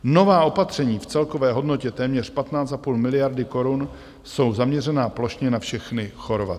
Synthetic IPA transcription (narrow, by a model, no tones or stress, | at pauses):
no̞vaːʔo̞pat̪r̝̥ɛɲiːft͡sɛlkovɛːɦo̞dno̞cɛt̪ɛːmɲɛr̝pat̪naːt͡st̪apuːlmɪlɪjaɾdɪko̞ɾun | so̞wzamɲɛrɛnaːplo̞ʃɲɛnafʃɛxnɪxo̞ɾva̰